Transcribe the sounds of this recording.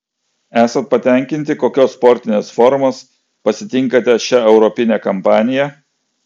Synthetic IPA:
æːsɐnt̪̚pɐt̪ʲɛˑŋʲkʲɪnʲt̪ʲɪkoːkʲoːsːpɔɾʲt̪ʲɪnʲeːsfɔɾmoːs | pɐsʲɪt̪ʲɪŋˑkɐt̪ʲɛʃʲæɛʊɾɔpʲɪnʲæːkɐmpɑːnʲɪjɛ

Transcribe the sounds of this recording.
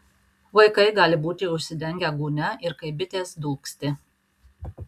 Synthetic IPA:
ʋɐɪkɐɪɡɑːlʲɪbuːt̪ʲɪʊʃʲsʲɪd̪ʲɛŋʲɡʲæɡuːnʲɛʔɪɾkɐɪbʲɪt̪ʲeːsd̪uːksʲt̪ʲɪ

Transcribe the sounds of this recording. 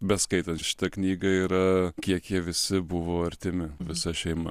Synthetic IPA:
bʲɛskɐɪt̪ɐnt̪ʃʲɪ̥t̪ɐknʲiːɡɐiːɾɐkʲiɛkjiɛʋʲɪsʲɪbʊʋoːɐɾʲt̪ʲɪmʲɪʋʲɪsɐʃʲɛɪmɐ

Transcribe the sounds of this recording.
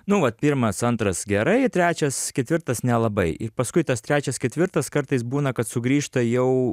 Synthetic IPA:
nʊʋɐt̪̚pʲɪɾmɐsɐnt̪ɾɐsɡʲɛɾɐɪt̪ʲɾʲæːt͡ʃʲɛskʲɛt̪ʲʋʲɪrt̪ɐsnʲɛlˠɐbɐɪʔɪpɐskʊɪt̪ɐst̪ʲɾʲæːt͡ʃʲɛskʲɛt̪ʲʋʲɪɾt̪ɐskɐɾt̪ɐɪsbuːnɐkɐt̪sʊɡɾʲiːʃt̪ɐjɛʊ

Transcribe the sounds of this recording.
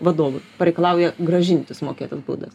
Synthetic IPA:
ʋɐd̪oːʋʊpɐɾʲɛɪkɐlˠɑˑʊjɛɡɾɐʒʲɪnʲt̪ʲʊsmoːkʲeːt̪ɐsbṵːd̪ɐs

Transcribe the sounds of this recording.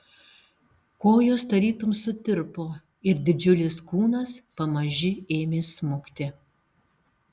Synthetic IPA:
koːjoːst̪ɐɾʲiːt̪ʊmsʊt̪ʲɪɾpoː | ɪɾd̪ʲɪd͡ʒʲʊlʲɪskuːnɐspɐmɐʒʲɪeːmʲeːsmʊkt̪ʲɪ

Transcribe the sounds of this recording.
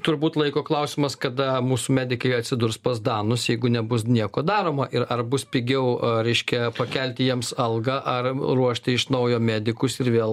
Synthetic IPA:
t̪ʊɾbuːt̪lˠɐɪkoːklˠɐʊsʲɪmɐskɐd̪ɐmuːsʊmʲæːd̪ʲɪkɐɪɐt̪ʲsʲɪd̪ʊrspɐzd̪ɑːnʊsjɛɪɡʊnʲɛbʊsnʲiɛkoːd̪ɑːɾoːmɐʔɪɾɐrbʊspʲɪɡʲɛʊɾʲɛɪʃʲkʲɛpɐkʲɛlʲt̪ʲɪjiɛmsɐlˠɡɐʔɐrruɔʃʲt̪ʲɪɪʃnɐʊjoːmʲæːd̪ʲɪkʊsɪɾʋʲeːlˠ

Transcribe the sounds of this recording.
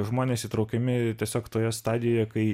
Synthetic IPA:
ʒmoːnʲeːsiːt̪ɾɒʊkʲɛmʲɪt̪ʲiɛsʲoːkt̪oːjɛst̪ɑːd̪ʲɪjoːjɛkɐɪ

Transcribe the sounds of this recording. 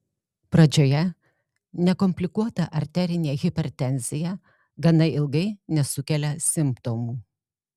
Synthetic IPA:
pɾɐd͡ʒʲoːjɛ | nʲɛkɔmʲpʲlʲɪkuɔt̪ɐʔɐɾʲt̪ʲæɾʲɪnʲeːɣʲɪpʲɛɾʲt̪ʲɛnʲzʲɪjɛ | ɡɐnɐɪɪlˠɡɐɪnʲɛsʊkʲɛlʲɛsʲɪmpt̪omuː

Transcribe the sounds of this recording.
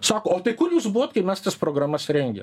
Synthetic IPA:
sɑːkoːoːt̪ɐɪkʊrjuːsbuʋoːt̪kɐɪmʲɛst̪ɐspɾoːɡɾɑːmɐsɾʲɛŋʲɡʲɛ̰

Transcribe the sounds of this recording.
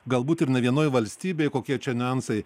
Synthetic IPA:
ɡɐlˠbuːt̪ɪɾnʲɛʋʲiɛnoːjʋɐlʲsʲt̪ʲiːbʲeɪkoːkʲiɛt͡ʃʲɛnʲɐnsɐɪ

